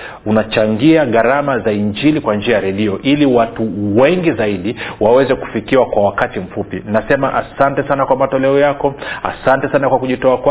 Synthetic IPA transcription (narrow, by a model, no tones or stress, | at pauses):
unat͡ʃaŋɡiaɠaɾamazaiɲd͡ʒilikwand͡ʒiajaɾɛɗiɔʔiliwatuwɛŋɡizaiɗiwawɛzɛku̥fikiwakwawakatim̩fupinasɛmaʔasantɛsanakwamatɔlɛɔjakɔa̰santɛsanakwakuʄitɔakwa